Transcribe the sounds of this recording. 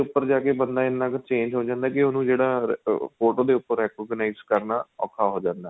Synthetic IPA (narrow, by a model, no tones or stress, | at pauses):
eʊpːəɾd͡ʒaːkeːbənd̪aːɪnːãːkt͡ʃẽːɲd͡ʒɦoːd͡ʒãːnd̪aːkɪonũːd͡ʒeːɽaːpʰoːʈoːd̪eːʊpːəɾːɛːkɔːɡnaizkəɾnaːɔ̰ːkʰːaːɦoːd͡ʒãːnd̪aː